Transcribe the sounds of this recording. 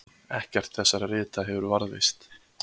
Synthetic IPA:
ɛhcɛr̥t̪θɛsːaɾrɪːt̪aɦɛvʏɾvaɾðɪ̰st̪

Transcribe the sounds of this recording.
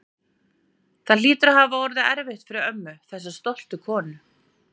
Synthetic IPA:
θaðliːt̪ʏɾaɦaːvaɔɾðɪɛɾvɪht̪fɪɾɪœmːʏθɛsːḁst̪ɔwl̥t̪ʏkʰɔːnʏ

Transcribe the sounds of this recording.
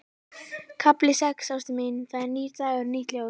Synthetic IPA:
kʰaplɪsɛksawst̪ɪmɪnθaðɛɾniːɾt̪ajɣʏɾniht̪ljaw

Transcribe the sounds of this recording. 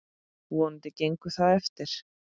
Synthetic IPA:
wɔnt̪ɪcejŋkʏθaðɛft̪ɪɾ̥

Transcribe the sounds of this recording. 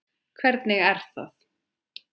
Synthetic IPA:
kʰvɛɾt̪nɪɣɛɾ̥θa̰θ

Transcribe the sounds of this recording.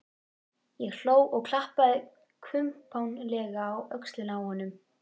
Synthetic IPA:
jɛɣl̥oːwɔɣkʰl̥ahpaðɪ | kʰvʏmpʰawnlɛːɣaːwœkslɪnawhɔnːʏm

